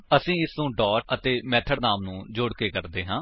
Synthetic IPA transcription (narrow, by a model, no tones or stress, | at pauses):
əsĩːɪsnũːɖɔːʈət̪eːmɛːt̪ʰəɽnaːmnũːd͡ʒoːɽkeːkəɾd̪eːɦãː